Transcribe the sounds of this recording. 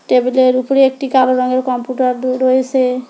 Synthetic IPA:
ʈebeleɾupɾeek̚ʈikaloɾɔŋɡeɾkɔmpuʈaɾɾojesʰe

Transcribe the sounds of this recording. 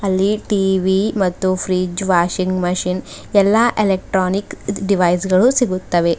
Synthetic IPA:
ɐlːiʈiːʋimɐt̪ːupʰɾiːd͡ʒʋaːʃiŋɡmɐʃin | ɛlːɐʔelek̚ʈɾoːnikɖiʋɐjsɡɐɭusiɡut̪ːɐʋe̞

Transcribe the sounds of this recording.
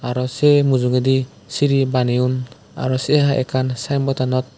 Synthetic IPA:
aɾɔsemuzuŋed̪i | siɾibaniun | a̰ɾɔseɦaʔɛ̰kʰansajmbɔtanɔt̪̚

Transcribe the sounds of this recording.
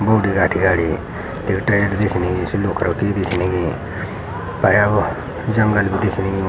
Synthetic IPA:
boːɖiɡaːʈʰiɡaːliː | t̪eːkʈajəɾid̪ekʰniɡisloːkʰɾakid̪ekʰniɡiː | pəja | d͡ʒəŋɡəlbʱid̪ekʰniɡi

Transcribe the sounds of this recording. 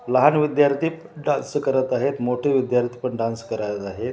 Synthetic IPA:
ləɦanʋid̪jaɾt̪ʰiː | ɖãnskəɾət̪aɦet̪moʈʰeʋid̪jaɾt̪ʰiːpəɳɖãnskəɾajət̪aɦet̪

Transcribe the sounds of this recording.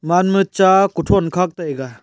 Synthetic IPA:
manmɯt͡ʃakutʰɔnkʰak̚tajɡa

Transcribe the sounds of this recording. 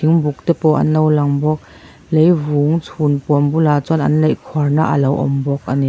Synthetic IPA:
iŋbuk̚t̪ɛpɔʔɐ̰nlɔwlɐŋbɔk̚ | lejvuːŋt͡sʰunpuəmbulaːt͡sɔnʔɐ̰nlejkʰɔarna̰ʔɐ̰lɐwʔɔ̰mbɔk̚ʔɐni

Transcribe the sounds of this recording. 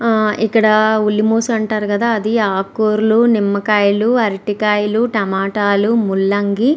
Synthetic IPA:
ikːɐɽɐulːimoːsuɐɳʈaːɾukɐd̪aːɐd̪iaːkoːɾlunimːɐkɐjluɐɾiʈikɐjluʈɐmaːʈaːlumulːɐŋɡi

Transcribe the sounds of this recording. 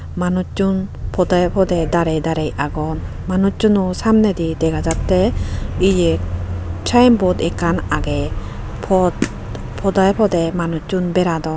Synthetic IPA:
manut͡ʃunpʰɔd̪ajpʰɔd̪ɛd̪aɾɛd̪aɾɛjaɡɔn | manut͡ʃunusamnɛd̪id̪ɛɡad͡ʒat̪ɛid͡ʒɛ | t͡ʃʰajmbɔd̪ɛkːanaɡɛ | pʰɔt̪ | pʰɔd̪ajpʰɔd̪ɛmanut͡ʃunbɛɾad̪ɔ

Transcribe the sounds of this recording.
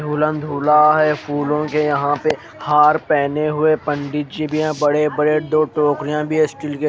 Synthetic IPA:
uːlə̃nd̪ʱuːlaɦɛpʰuːlõkejɐɦãpe | haːɾpɛːneɦʊepə̃ɳɖɪʈ̚d͡ʒibʱijãbɐɽebɐɾed̪oːʈoːkɾijãbʱiɛsʈɪlke

